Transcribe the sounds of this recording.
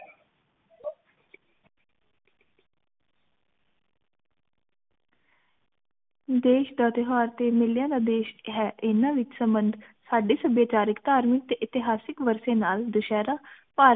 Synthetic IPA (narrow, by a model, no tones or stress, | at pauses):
d̪eːʃd̪aːt̪ɪɦaːɾt̪eːmɪljãːd̪aːd̪eːʃɦɛːʔɪnãːʋɪt͡ʃsəmbənd̪saːɖeːsəbjaːt͡ʃaːɾɪkt̪aːɾmɪk̚t̪eːʔɪt̪ɪɦaːsɪkʋəɾsẽːnaːld̪ʊʃɛːɾaːpaː